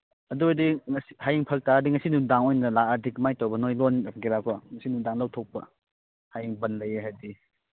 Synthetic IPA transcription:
ɐdujdiŋɐsi̥hajiŋpʰɐk̚taadiŋɐsinudaŋojnɐlaːdikmajtawbɐnojlonɐɡiɾakʰaŋɐsinudaŋlɐwtʰok̚pɐ̰ | hajiŋbɐnlɐjeɦajdi

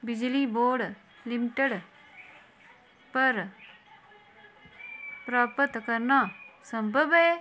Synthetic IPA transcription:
bɪd͡ʒliːboːɽ | lɪmɪʈəɽ | pɐɾ | pɾaːpət̪kɐɾnasɐ̃mbʱəbe

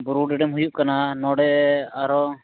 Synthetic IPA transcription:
buɾuɖɛɖɛmɦujuʔkananɔɽɛaɾɔ

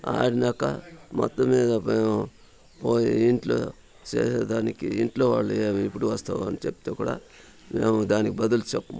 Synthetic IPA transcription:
a̰ːɽinɐkːɐ̰mɔ̰t̪ːɐmiːd̪ɐeːmu | poːjiiɳʈlo̰ː | t͡ʃḛːseːd̪aːnikiiɳʈlo̞ːʋaːɭːueːipːuɽuʋɐst̪aːʋɐnit͡ʃepːit̪eːkuːɽa̰ː | meːmud̪aːnikibɐd̪ult͡ʃepːɐm

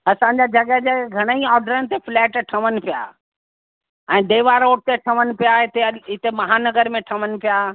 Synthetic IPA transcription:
ɐsãɲ̆d͡ʑad͡ʑɐɡəɦd͡ʑeɡʱɐɽ̃əĩɔːɖəɾənɪ̆t̪eflɛːʈʈʰɐʋənɪ̆pija̰ː | ɛ̃ːd̪eːʋaɾoːʈ̚t̪eʈʰɐʋənɪ̆pijaɪt̪eɪt̪emɐɦanɐɡəɾmẽʈʰɐʋənɪ̆pijaː

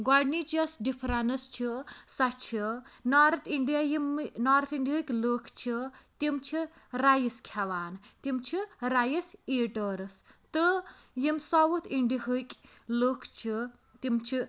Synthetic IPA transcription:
ɡaɖnit͡ʃɐsɖipʰɾanɨst͡ʃʰisɐt͡ʃʰinaːɾt̪ʰiɳɖijajimːnaːɾt̪ʰiɳɖiɦɨkʲloːkʰt͡ʃʰit̪imt͡ʃʰiɾajiskʰaʋaːnt̪imt͡ʃʰiɾajiseːʈəːɾɨst̪ɨjimsɔwut̪ʰiɳɖihɨkʲloːkʰt͡ʃʰi | t̪imt͡ʃʰi

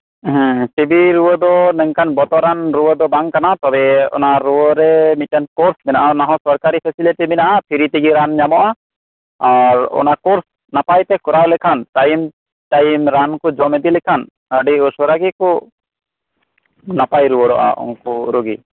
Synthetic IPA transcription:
ɦsebiɾuwɔd̪ɔnɛŋkanbɔt̪ɔɾanɾuwɔd̪ɔbaŋkanat̪ɔbɛɔ̰naɾuwɔɾɛmit̪̚kankɔɾsmɛna̰ʔanaɦɔ̃sɔɾkaɾipʰɛsiliʈiminaʔapʰiɾit̪iɡiɾanɲamɔʔa | aɾɔ̰nakɔɾs | napajt̪ɛkɔɾawlɛkʰanʈajm | ʈajmɾankud͡ʒɔmɛd̪ilɛkʰan | əɖiɔsɔɾaɡiku | napajɾuwɔɖɔ̰ʔa̰ʔɔ̰ŋkuɾuɡi

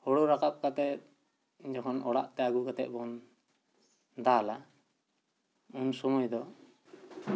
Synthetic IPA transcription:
hɔɽɔɾakap̚kat̪ɛt̪̚ | d͡ʒɔkʰɔnɔɽa̰ʔt̪ɛaɡukat̪ɛ̰t̪̚ˀbɔn | d̪ala | unsɔmɔjd̪ɔ

